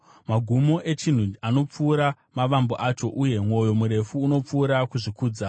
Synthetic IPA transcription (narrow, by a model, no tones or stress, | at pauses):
maɡʱumo̞ʔe̞t͡ʃin̤uano̞p͡fuːɾa | maʋamboʔat͡ʃo̞ʔuje̞mwo̞jo̞muɾe̞fuːno̞p͡fuːɾakuʐikuːd͡za